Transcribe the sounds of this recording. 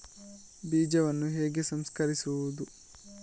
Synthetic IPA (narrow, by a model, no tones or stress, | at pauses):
biːd͡ʒɐʋɐnːuɦeːɡesɐmskɐɾisuʋud̪u